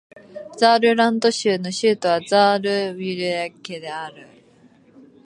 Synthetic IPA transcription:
d͡zaːɾɯ̟ɾãnd̪o̞ɕɨːno̞ɕɨːt̪o̞β̞azaːɾɯ̟βiɾɯ̟aked̪e̞aɾɯ̟

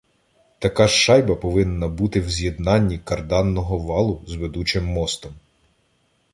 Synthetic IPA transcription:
t̪ɐkɑʃʃɑjbɐpɔʋɪnːɐbut̪ɪwzʲjed̪nɑnʲːikɐrd̪ɑnːɔɦɔʋɑlˠʊzʋed̪ut͡ʃɪmːɔst̪ɔm

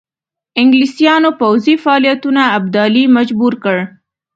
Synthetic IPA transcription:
ɪŋɡlisijɑnopawzifaɑlijat̪unaːb̚d̪ɑlimad͡ʒbuɾkəɽ

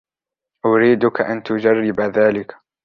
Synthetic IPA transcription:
ʔʊɾiːd̪ʊkaʔant̪ʊd͡ʒarˤːɪbaðaːlɪk

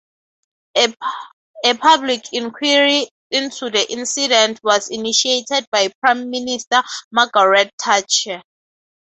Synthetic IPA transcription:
ɛpʰablikʰĩnkʰwaɹi | ĩntʰudəʔĩnsidɛ̃ntʰwɔziniʃietʰɛd̚bajpʰɹãjmːinistamaɡaɹɛtʰːat͡ʃʰɛ

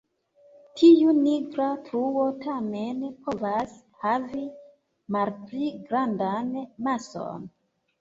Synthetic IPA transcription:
tʰijuniɡɾatɾuo̞tame̞npʰo̞vas | havi | malpliɡɾandanmaso̞̰n

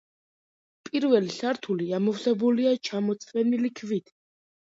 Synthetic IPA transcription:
pʼiɾvɛlisaɾt̪ʰuliamɔfsɛbuliat͡ʃʰamɔt̪sʼɛnilikʰvit̪ʰ

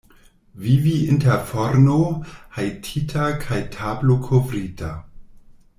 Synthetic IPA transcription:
viviɪntɛfoɾnohajtʰitʰakʰajtʰablokʰovɾitʰa

